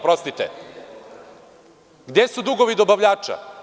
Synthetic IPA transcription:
pɾost̪it̪ḛ | ɡd̪esud̪uɡoʋid̪obaʋʎaːt͡ʃa̰

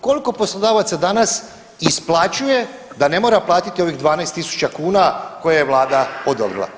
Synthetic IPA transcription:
ko̞liko̞po̞slˠod̪aːʋat̪sad̪anas | isplˠat͡ɕuje̞ | d̪ane̞mo̞ːɾaplˠaːt̪it̪io̞ʋiɣd̪ʋaːnajst̪isu̥t͡ɕakuːnako̞jajeʋlˠaːd̪aod̪o̰bɾḭlˠa̰

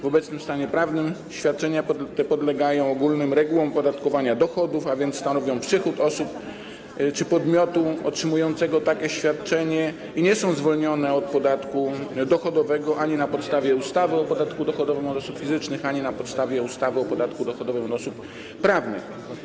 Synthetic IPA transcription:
vɔbɛt̪snɘmst̪aɲɛpɾavnɘmɕfʲjat̪̚t͡ʂɛɲap̪t̪ɛpɔd̪lɛɡajɔ̃w̃ɔɡulnɘmɾɛɡuwɔ̃mpɔd̪at̪kɔvaɲad̪ɔxɔd̪ufavʲjɛnt̪sst̪anɔvʲjɔ̃w̃pʂɘxut̪ɔsup | t͡ʂɘpɔd̪mʲjɔt̪uɔtʂɘmujɔnt̪sɛɡɔt̪akʲɛɕfʲjat̪t͡ʂɛɲɛ | iɲɛsɔ̃w̃zvɔlɲɔnɛɔt̪̚pɔd̪at̪kud̪ɔxɔd̪ɔvɛɡɔʔaɲinapɔt̪st̪avʲjɛust̪avɘɔpɔd̪at̪kud̪ɔxɔd̪ɔvɘmɔd̪ɔsupfʲizɘt͡ʂnɘxaɲinapɔt̪st̪avʲjɛust̪avɘɔpɔd̪at̪kud̪ɔxɔd̪ɔvɘmɔd̪ɔsupː | ɾavnɘ̰x

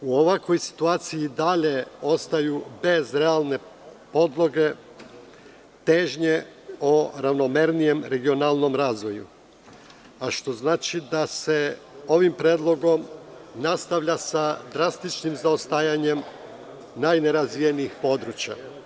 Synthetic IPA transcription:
uo̞ʋako̞jsi̥t̪uaːt̪siid̪aʎe̞o̞st̪ajube̞zɾe̞alˠne̞po̞d̪lˠoɡe̞ | t̪e̞ːʒɲeoɾaʋno̞me̞ɾnije̞mɾe̞ɡionalˠno̞mɾaːzʋo̞jṵ | aʃt̪o̞znaːt͡ʃid̪ase̞o̞ʋimpɾeːd̪lˠo̞ɡo̞mnast̪aʋʎasad̪ɾast̪it͡ʃnimzaost̪ajaɲe̞m | najne̞ɾazʋijeniixpo̞d̪ɾut͡ɕja̰

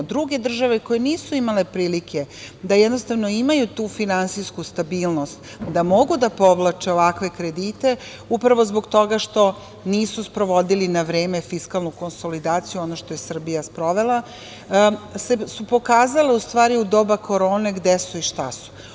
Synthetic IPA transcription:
d̪ɾuɡe̞d̪r̩ʒaʋe̞ko̞jeniːsuimale̞pɾiːlikʰe̞d̪ajɛd̪nost̪avʋnoimajut̪uːfinansijskust̪abiːlˠno̞st̪ | d̪amo̞ɡud̪apo̞ʋlˠat͡ʃeo̞ʋakʋe̞kɾe̞d̪iːt̪e̞ | upɾaʋo̞zboɡt̪o̞ɡaʃt̪o̞ | niːsuspɾo̞ʋo̞d̪ilinaʋɾeːme̞fiskalˠnukonso̞lid̪aːt̪sijuo̞noʃt̪ojesr̩bijaspɾo̞ʋe̞lˠa | sesupo̞kaːzale̞ust̪ʋaːɾiud̪o̞ːbako̞ɾo̞ːne̞ɡd̪esuiʃt̪asu̥

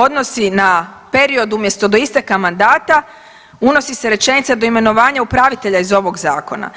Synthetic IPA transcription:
o̞d̪no̞sinape̞ɾio̞d̪umje̞st̪o̞d̪o̞ist̪akamand̪aːt̪a | uno̞siseɾe̞t͡ʃe̞nit̪sad̪o̞ime̞no̞ʋaːɲaupɾaʋit̪e̞ʎaizo̞ʋo̞ɡzaːko̞na̰

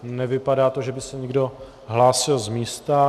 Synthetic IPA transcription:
nɛvɪpadaːt̪oʒɛbɪsɛɲɪɡdo̞ | ɦlaːsɪlzmiːst̪a

